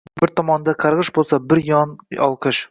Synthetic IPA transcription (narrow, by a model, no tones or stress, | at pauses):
bɪɾt̪ʰɒmɒnd̪ɑqʰɑɾʁɨʃbolˠsɑbɪɾjɒnɒ̰lˠqʰɨʃ